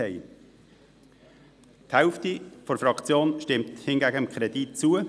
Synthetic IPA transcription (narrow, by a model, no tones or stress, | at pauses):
ɛɪ | thɛʊftifɔɾfɾɑkt͡sjoːnʃtɪmthɪnɡæɡəəmkʰɾɛd̥it̚t͡suə